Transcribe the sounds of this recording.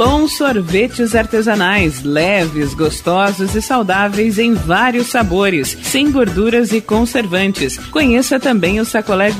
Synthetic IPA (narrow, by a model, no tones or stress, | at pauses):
b̥õw̃soɾvet͡ʃɪzaɾt̪ezanajslɛvɪzɡost̪ɔzʊzɪsawd̪avejzẽj̃vaɾiʊsːaboɾɪssẽj̃ɡoɾd̪uɾɐzɪkõseɾvɐ̃nt͡ʃɪskõɲesɐt̪ɐ̃mbẽj̃ʊsakolɛɡ